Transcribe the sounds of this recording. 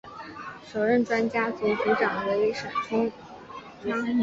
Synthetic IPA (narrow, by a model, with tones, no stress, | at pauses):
ʂo˨˩ʊɻə˥˩nʈ͡ʂwa˥nt͡ɕja˥t͡su˧˥tu˧˥ʈ͡ʂɑ˨˩ŋwe˧˥ɪi˧˥ʂa˨˩ʈ͡ʂʰʊ˥ŋ˥